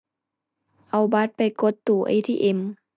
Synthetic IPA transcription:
ʔa˨˩wba˧˥t̪̚pa˨˩jko˧˦˥t̪ːuː˧˩ʔḛ˧˨t̪ʰḭː˧ʔe˧˩m

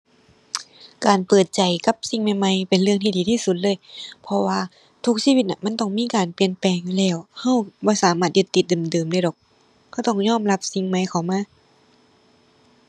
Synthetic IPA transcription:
kaː˨npɤː˨˩t̪̚t͡ɕa˨jka˧p̚si˧˩ŋma˧˩jma˧˨jpe˨nlɯ˧əŋt̪ʰiː˧diː˨˩t̪ʰiː˧˥˨su˧t̪̚lɤː˧˥˨jpʰɔ˧waː˧ | t̪ʰu˧˥k̚siː˧˥wi˧t̪̚ʔa˧˩ma˧˥˨nt̪ɔ˧˩ŋmiː˧˥˨kaː˨npi˨˩ənpɛː˨˩ŋlɛː˧˩wha˧˩wbɔː˧˦saː˨˦maː˧˩t̪̚jɯ˧˩t̪ːi˧t̪̚dɤː˨˩mdɤː˨˩mda˧˩jdɔ˨˩k̚ʰ | a˧˩wt̪ɔ˧˥˩ŋɲɔː˧˥˨mla˧˥p̚si˧ŋma˧˥jkʰa˨˩wmaː˧˥˨

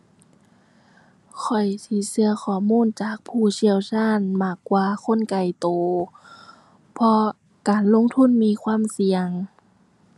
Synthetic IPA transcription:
kʰɔ˨˩jt̪ʰiː˧˩sɯ˧ɐxʰɔː˧˩muː˧˥˨nt͡ɕaː˨˩k̚pʰuː˧˩si˧˩əwsaː˧˥˨nmaː˧˩kːwaː˧kʰo˧˥˨nka˨˩jt̪oː˨˩ | pʰɔ˧ | kaː˨nlo˧˥˨ŋt̪ʰu˧˥˨nmiː˧˥˨kʰwaː˧˥˨msi˨˧əŋ

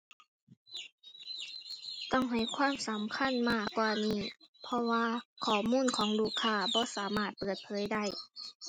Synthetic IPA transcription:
t̪ɔ˥˩ŋɦa˨˩jkʰwaː˧˥˨msa˨˦mkʰa˧˥˨nmaː˧˥˩kːwaː˧niː˧˥˩pʰɔ˧waː˧kʰɔː˨˩muː˧˥˨nkʰɔː˩˦ŋluː˧˩kʰːaː˧˩bɔː˧˦˨saː˨˦maː˧˩t̪̚pɤː˨˩t̪̚pʰɤː˨˦jda˥˩˨j

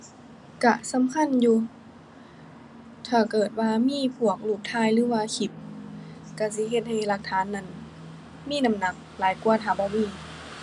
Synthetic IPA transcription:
ka˧˩sa˨˦mkʰa˧˥˨njuː˧ | t̪ʰaː˧˩kɤː˨˩t̪̚waː˧miː˧˥˨pʰu˧˩ək̚luː˧˩p̚t̪ʰaː˧˥˨jlɯː˨˦waː˧kʰi˧˩p̚ | ka˧˩si˧˦ɦe˧t̪̚ha˧˩jla˧k̚t̪ʰaː˨˦nːa˧˩˨n | miː˥˨na˧˥mna˧˩k̚laː˨˦jku˧ɐt̪ʰaː˧˩bɔː˧˦miː˧˥˨

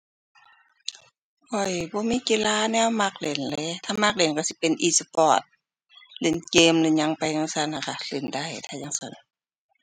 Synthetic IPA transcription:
kʰɔ˧˩jbɔː˧˦miː˧˥˨kiː˧˥laː˧˨nɛː˧˥˨wma˧k̚le˨˩˨nlɛː˧˨t̪ʰaː˧˨ma˧˥k̚le˨nka˧˨si˧˦pe˨nʔiː˧sa˧pɔː˧˩t̪̚ | le˨˩nkeː˧mlɯ˧˨ɲa˧˥ŋpa˧˨jŋa˧sa˧˨na˧˨kʰa˧˩le˨˩nda˧˩˨jt̪ʰaː˧ɲa˧ŋsa˧˩n

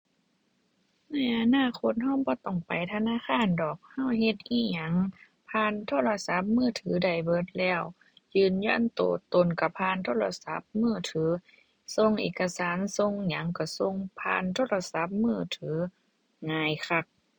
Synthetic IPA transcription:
na˧˥˩jʔa˧naː˧˥˨kʰo˧˥t̪̚ha˧˩wbɔː˧˦t̪ɔ˧˩ŋpa˨˩jt̪ʰa˧naː˧˥˨xʰaː˧˥˨ndɔː˨˩k̚ha˧˥˩whe˧t̪̚ʔiː˧˩ɲa˨˦ŋ | pʰaː˧˥˨nt̪ʰoː˧˥˨la˧sa˧˦p̚mɯː˧˩˨t̪ʰɯː˨˦da˧˩jbɤ˧˦t̪̚lɛː˧˩w | jɯː˧˨nɲjɔ˧˩˨nt̪o̰ː˨˩t̪o˨nka˧˩pʰaː˧˥˨nt̪ʰoː˧˨la˧sa˧˦p̚mɯː˧˩t̪ʰɯː˨˦ | so˧˨ŋʔḛː˨˩ka˧saː˨˦nso˧ŋɲa˨˧˦ŋka˧˩so˧˨ŋpʰa̰ː˧˥˨nt̪ʰoː˧˥˨la˧sa˧˦p̚mɯː˧˩˨t̪ʰɯː˨˦ | ŋaː˧jkʰa˧k̚

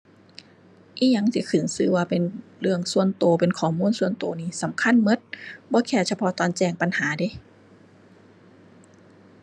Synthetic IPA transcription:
ʔiː˧˥ɲa˧˥ŋsi˧˦kʰɯ˨˩˦nsɯː˧˩waː˧pe˨nlɯ˧əŋsu˧ənt̪oː˨˧˦pe˨nkʰɔː˨˩˦muː˧˥˨nsu˧ənt̪oː˧˦niː˧˨sa˨˦mkʰa˧˥˨nmɤ˧˥˦t̪̚bɔː˧˦kʰɛː˧˩sa˧pʰɔ˧˦t̪ɔː˨˧˦nt͡ɕɛː˧˩ŋpa˨nhaː˨˦da˧˦

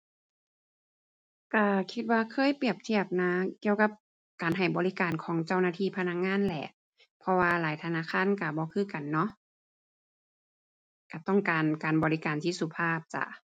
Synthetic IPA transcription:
ka˧˩kʰi˧t̪̚waː˧kʰɤː˧˥˨jpi˧˩əp̚t̪ʰi˧˩əp̚naː˧˥˦ki˧˨əwka˧˥p̚ | kaː˨nɦa˨˩jbɔː˨li˦˥kaː˨nkʰɔː˨˦ŋt͡ɕa˧˩wnaː˧t̪ʰiː˧˩˨pʰa˧na˧˥k̚ŋaː˧˥˨nlɛ˧˩ʔ | pʰɔ˧waː˧laː˨˦jt̪ʰa˧naː˧˥˨kʰaː˧˥˨nka˧˩bɔː˧˦kʰɯː˧˩˨ka˨˩nːɔ˧˥˨ʔ | ka˧˩t̪ɔ˥˩ŋkaː˨nkaː˨nbɔː˨li˦˧kaː˨nt̪ʰiː˧˥˨su˧˩pʰaː˧˥˩p̚t͡ɕa̰˧˩

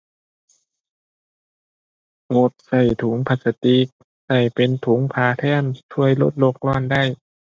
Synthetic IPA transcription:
ŋo˧˩t̪̚sa˧˩jt̪ʰu˨˦ŋpʰa˧˩sa˧t̪i˧k̚ | sa˧˩jpe˧nt̪ʰu˨˦ŋpʰaː˧t̪ʰɛː˧˩˨nt̪ʰu˧əjlo˧˥˩t̪̚lo˧˩k̚lɔː˧˩˨nda˥˩j

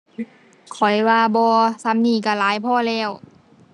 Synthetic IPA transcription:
kʰɔ˨˩jwaː˧bɔː˧sa˧˥mniː˧˩ka˧˩laː˨˦jpʰɔː˧˥˨lɛː˧˩˨w

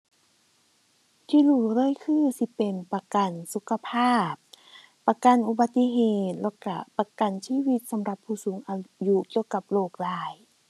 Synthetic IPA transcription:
t̪ʰiː˧˨luː˧˩lɤː˧˥˨jkʰɯː˧˨si˧pe˨˩npa˧ka˨˩nsu˧˦kʰːa˧pʰaː˥˩p̚ː | a˧ka˧˨nʔu˧ba˧t̪ːi˧ɦeː˧˩t̪̚lɛ˧˩ka˧˩pa˧ka˨nsiː˧˥˨wi˧t̪̚sa˨˦mɾa˧pʰːuː˧˩suː˨˦ŋʔa˧ju˧ki˧˨əwka˧˦p̚loː˧˩k̚laː˧˩j

